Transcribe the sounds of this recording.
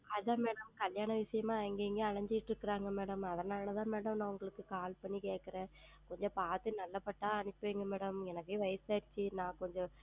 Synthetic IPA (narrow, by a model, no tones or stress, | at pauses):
ɐlaːmeːɽɐmkɐljaːɳɐʋɪʂɐjɐmaːɛŋɡeːŋɡeːɐɻɐɲd͡ʒɪɪʈːɪɾɯkːɐɾaːŋɡɐmeːɽɐmɐðɐnaːlɐt̪ãːmeːɽɐmnaːʋɐŋɡɐɭɯkːɯkaːlpɐɳːikeːʈkːɐɾẽː | kɔɲd͡ʒɔ̃paːt̪ɯnɐlːɐpːɐʈːaːɐɳɪpːɯʋeːŋɡɐmeːɽɐmɛnɐkːeːʋɐɪsaːɾɪt͡ʃːinãːkɔɲd͡ʒɔ̃